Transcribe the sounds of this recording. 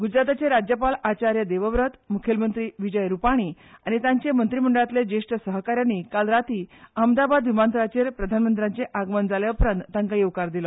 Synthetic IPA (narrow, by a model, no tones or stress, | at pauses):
ɡud͡ʑɾat̪at͡seɾad͡ʑjəpalat͡ɕaɾjəd̪eʋəʋɾət̪mukʰelmənt̪ɾiːʋid͡ʑəjɾupaɽ̃iː | aɽ̃it̪ãɲt͡ɕemənt̪ɾim̤əɳɖəɭat̪led͡ʑeʂʈəsəɦkaɾjanːikalɾat̪iːəmd̪abad̪ʋimant̪ɾat͡ɕeɾpɾəd̪ʱanmənt̪ɾjaɲt͡seʔaɡmənd͡zaleupɾənt̪ːãŋkajewkaɾd̪ilɔ